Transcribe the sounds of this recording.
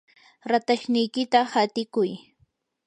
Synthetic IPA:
ɾat̪aʃnɪjkɪt̪ahat̪ɪkʊj

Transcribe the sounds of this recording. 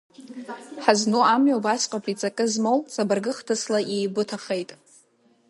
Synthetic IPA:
ħaznuamɥabasʼqʼapʰʼit͡sʼakʼɨzmowzabarɡɨχtʰɨslaʔejbɨtʰaχejtʼ

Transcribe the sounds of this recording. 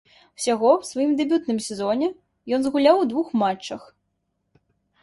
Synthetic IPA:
w̥sʲaɣɔwsvajimd̪ɛbʲut̪nɨmsʲɛzɔnʲɛ | jɔnzɣulʲawd̪vuxmat͡ʂːɐx

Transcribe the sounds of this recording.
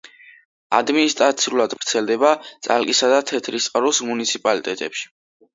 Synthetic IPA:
a̰d̪minist̪ʼɾat̪sʰiulˠad̪vɾt̪sʰɛld̪ɛbat̪sʼa̰lkʼisad̪at̪ʰɛt̪ʰɾist̪ʼqʼɾusmunit̪sʰipʼalit̪ʼɛt̪ʼɛpʃi̥

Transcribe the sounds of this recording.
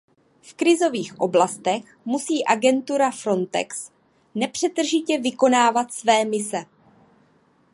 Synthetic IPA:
fkɾɪzo̞viːxʔo̞blast̪ɛx | musiːʔaɡɛnt̪uɾafɾo̞nt̪ɛ̰ks | nɛpr̝̥ɛt̪r̩ʒɪcɛvɪko̞naːvat̪svɛːmɪsɛ

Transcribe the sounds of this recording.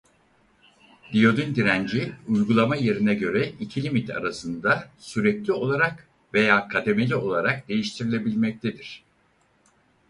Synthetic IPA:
d̪̥ijo̞d̪ynd̪iɾænd͡ʒiujɡulˠamaje̞ɾinɛɟø̞ɾɛicʰilʲimit̪ʰa̰ɾasɯnd̪asyɾɛclʲio̞lˠaɾak | ve̞jaːkʰad̪eme̞lʲio̞lˠaɾakd̪e̞jiʃt̪ʰiɾilʲe̞bilʲmɛc̚t̪ʰed̪iɾ̝̥

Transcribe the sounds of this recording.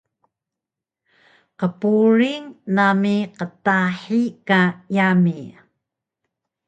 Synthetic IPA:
qəpuɾiŋnamiqətaħikajami

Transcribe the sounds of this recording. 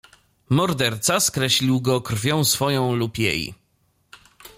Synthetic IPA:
mɔɾd̪ɛɾt̪saskɾɛɕlʲiwɡɔkɾfʲjɔ̃w̃sfɔjɔ̃w̃lupjḛj

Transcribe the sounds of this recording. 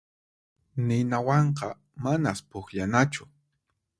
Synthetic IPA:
nɪnawɑɴqɑ | manaspʊχʎanat͡ʃʊ

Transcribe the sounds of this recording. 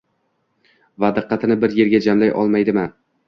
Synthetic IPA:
vad̪ɨqːɑt̪ʰɪnɪbɪɾje̞ɾɡʲad͡ʒamlajʔɒ̰lˠmajd̪ɪmɪ

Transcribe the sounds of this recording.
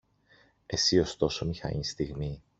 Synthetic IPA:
e̞sio̞st̪o̞so̞mixɐ̰ɲist̪iɣmi

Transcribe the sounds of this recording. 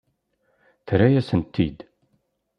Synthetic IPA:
θɾæjæsənt̪ːid̪

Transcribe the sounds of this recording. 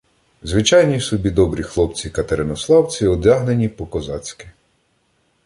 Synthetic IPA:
zʋɪt͡ʃɑjnʲiwsɔbʲid̪ɔbɾʲixlˠɔp̚t͡sʲikɐt̪eɾɪnɔslˠɑwt͡sʲiɔd̪ʲaɦnenʲipɔkɔzɑt͡sʲkɪ̥

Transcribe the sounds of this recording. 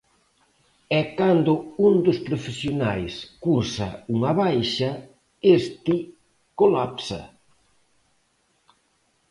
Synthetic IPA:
ɛkand̪ʊund̪ʊspɾofesjonajskuɾsɐ̰uŋɐβajʃɐ | est̪i | kolapsɐ̰

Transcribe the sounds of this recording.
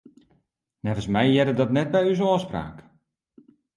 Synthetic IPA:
nɛvənsmɛjjɛdədɔtnɛt̚bɛjysɔːspra̰ːk

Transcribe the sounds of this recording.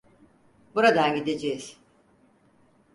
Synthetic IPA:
buɾad̪anɟid̪e̞d͡ʒejiz̥

